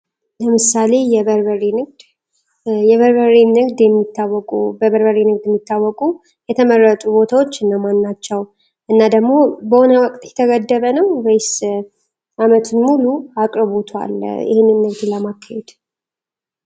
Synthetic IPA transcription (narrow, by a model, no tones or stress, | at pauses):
ləmɨsale̞jɛβəɾβəɾinɨɡd̪ | jɛβəɾbəɾinɨɡd̪jɛmːit̪ʰːawːɔkʼubəβəɾbəɾinɨɡd̪jɛmːit̪ʰːawːɔkʼu | jɛt̪ʰəmərːət̪ʼubo̞t̪ʰawo̞t͡ʃːɨnːəwmanːat͡ʃːɛw | ʔɨnːad̪əɡmo̞bəhonəwəkʼt̪ʼjɛt̪ʰəɡəd̪ːəβənəwbəjs | amət̪ʰɨnmuluakʼɾɨβot̪ʰwa̰ljɪ̰henɨnːɨɡd̪ləmakʰːahed̪̥